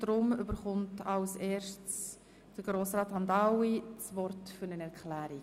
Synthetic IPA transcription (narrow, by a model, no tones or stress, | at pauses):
d̥ɾʊmʏbəɾχʊntɑʊseːɾʃts | d̥əɾɡɾoːsɾɑːthɑndɑwisvɔɾtfyɾnənɛɾkʰlæːɾi